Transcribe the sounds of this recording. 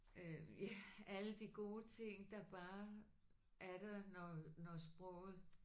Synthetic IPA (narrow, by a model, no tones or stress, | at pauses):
øjææləd̥iɡ̥o̝ːt͡sʰe̝ŋ̰d̥ɑ̈b̥ɑ̈ː | ʔæɐɾ̥ɐnɒnɒsb̥ʁɔ̰ːʊ̰ð̩ˠ